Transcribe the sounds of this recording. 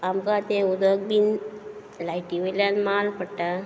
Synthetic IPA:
amkat̪ẽud̪əɡ̚bin | lajʈiʋeljanmalpəɽʈa

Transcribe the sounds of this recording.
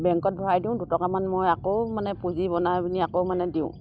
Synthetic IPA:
bɛŋkɔt̚bʱɔɹajdiʊ̃dutɔkamanmojakowmanɛpuzibɔnabiniakomanɛdiʊ̰̃

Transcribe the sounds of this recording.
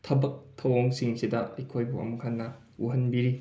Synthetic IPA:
tʰɐbɐk̚tʰɐwoŋsiŋsidɐɐjkʰojbuɐ̰mukʰanːɐ | uɦɐnbiɾi

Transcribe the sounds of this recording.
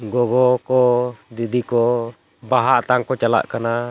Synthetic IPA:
ɡɔɡɔkɔd̪idikɔ | baɦaʔt̪aŋkɔt͡ʃala̰ʔkana

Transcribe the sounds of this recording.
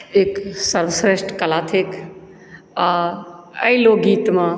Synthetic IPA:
eːksəɾʋsɾesʈkəlaːt̪ʰek | a | əiloɡiːt̪mã

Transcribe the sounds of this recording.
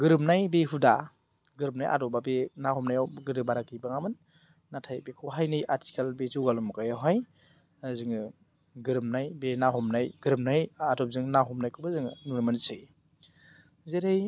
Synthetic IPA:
ɡɯɾɯmnajbeɦuda | ɡɯɾɯm̚najʔa̰dɔbabenaɦɔmnajawɡɯɾɯbaɾakibaŋamɯnː | atʰajbekʰɔwɦajnɯjʔaɾtʰi̥kalbezuwɡalɔmukajawɦaj | zɯŋɯ | ɡɯɾɯmnajbenaɦɔmnajɡ̥ɯɾɯm̚najadɔp̚zɯŋnaɦɔmnajkʰubazɯŋnuɾmansɯj | zeɾaj

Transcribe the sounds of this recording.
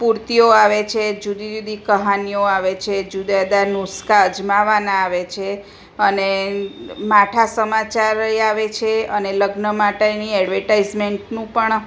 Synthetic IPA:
puɾt̪ioaʋet͡ʃʰed͡ʒud̪id͡ʒud̪ikəɦanioaʋet͡ʃʰed͡ʒud̪ad̪anuskaəd͡ʒmaʋanãːʋet͡ʃʰe | əne | maʈʰasəmat͡ʃaɾiaʋet͡ʃʰeəneləɡnəmaʈeniɛɖʋəɾʈaizmeɳʈnũpəɳ

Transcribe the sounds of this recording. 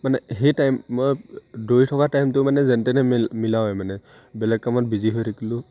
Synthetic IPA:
manɛɦejtajmːojdojtʰɔkatajmtʊmanɛzɛntɛnɛmilawɛmanɛ | bɛlɛɡ̚kamɔt̚biziɦojɾʰakʰilʊ̃

